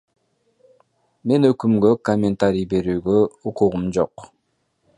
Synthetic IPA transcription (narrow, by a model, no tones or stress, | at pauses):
me̞nøkymɡøkomʲent̪aɾʲijbe̞ɾyːɡøuquʁumd͡ʒo̞q